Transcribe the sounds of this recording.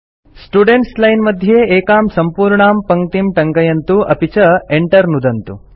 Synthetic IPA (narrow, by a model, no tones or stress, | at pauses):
sʈuɖeɳʈslɐjnmɐd̪ʱjeeːkaːmsɐmpuːɾɳaːmpɐŋɡt̪imʈɐŋɡɐjɐnt̪uɐpit͡ʃɐeɳʈɐɾnud̪ɐnt̪u